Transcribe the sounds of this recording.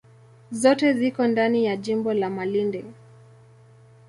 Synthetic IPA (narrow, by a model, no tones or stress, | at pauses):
zɔtɛzikɔndanijaʄimbɔlamalindɛ